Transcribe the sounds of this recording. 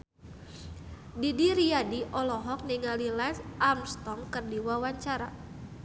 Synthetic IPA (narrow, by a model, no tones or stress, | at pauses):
didiɾiadiʔɔlɔɦɔk̚niŋalilansʔamst̪ɔŋkɨrdiwawaɲt͡ʃaɾa